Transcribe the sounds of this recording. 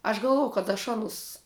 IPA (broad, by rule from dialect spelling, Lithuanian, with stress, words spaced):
ɐʃ ɡɐlˠˈʋoːjɛʊ kɐt ɐʃ ˈɑːnʊs